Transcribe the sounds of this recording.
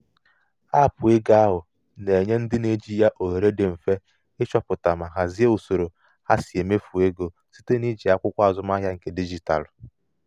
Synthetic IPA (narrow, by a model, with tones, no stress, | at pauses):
a˦˨pʊ˨e˦ɡa˦a˦ɦʊ˨ | ne˨ɲe˦n̩˦dɪ˦ne˦d͡ʒi˦ja˦ʔo˨ɦe˨ɾe˦de˨m̩˨fe˦ | ɪ˦t͡ʃɔ˦pʊ˨ta˨ma˨ɦa˨zi˦e˦o˨so˨ɾo˨ | ha˦si˨e˨me˦fu˨e˦ɡo˨ | si̥˦te˦ni˦d͡ʒi˨a˦kʷʊ˦kʷa˦a˨zʊ˦ma˦ɦja˦ŋ̩˨ke˦di˦d͡ʒi˨ta̰˨l